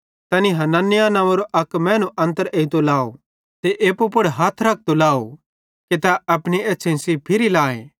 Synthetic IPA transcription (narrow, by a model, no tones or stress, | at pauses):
t̪ɐniɦɐnɐnːɪjanɐ̃ʋɐɾoʔɐkmɛ̃ːnũʔɐ̃nt̪əɾeit̪olaːo̰ | t̪eʔeːpopʊɽɦaːt̪ʰɾɐk̚ʰt̪olaːo | ket̪aɐpɽ̃ieːsʰẽsipʰɪɾilaːḛ̃